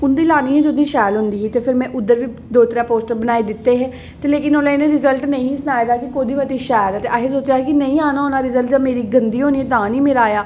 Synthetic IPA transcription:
ʊnd̪iːlaːniːɦɛ̃ːd͡ʒod̪iːʃaːjlɦʊnd̪iːɦiːt̪eːpʰɪɾmɛ̃ːʔʊd̪əɾʋiː | d̪oːt̪ɾaːpoːsʈəɾbənaːeːd̪ɪt̪ːeːɦɛ̃ː | t̪eːleːkɪnoːlãːɪnẽːɾɪzəlʈnəĩːsənaːjd̪aːkɪkoːd̪iːʋət̪iːʃaːjlɛːt̪eːʔaːkʰɪɾsoːt͡ʃjaːɦɛkɪnəĩːaːnaːoːnaːɾɪzəlʈd͡ʒãːmeːɾiːɡənd̪iːɦoːniːẽt̪ãːnĩːmɪɾaːjaː

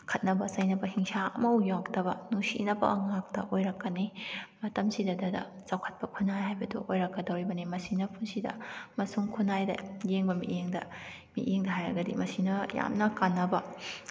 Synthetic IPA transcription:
kʰɐt̚nɐbɐsɐjnɐbɐhiŋsaɐ̰mɐujawk̚tɐbɐnusḭnɐbɐ̰ŋak̚tɐ̰ʔojɾɐkːɐnimɐtɐmsidɐdɐdɐ̰ | t͡ʃawkʰɐ̥t̚pɐkʰunːajɦajbɐdṵʔojɾɐkːɐdɐwɾibɐnimɐsinɐpʰunsidɐ̰mɐsuŋkʰunːajdɐ̰jeŋbɐmḭʔeŋdɐ̰ | mḭʔeŋdɐɦajɾɐ̰ɡɐdḭmɐsinɐja̰mnɐkanːɐbɐ

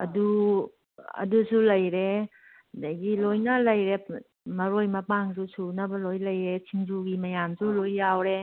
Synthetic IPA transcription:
ɐ̰du | ɐ̰dusulɐjɾe | dajɡilojnɐlɐjɾe | mɐɾojmɐpaŋsusunɐbɐlojlɐjɾesʰiŋzuɡimɐjamsulojːawɾe

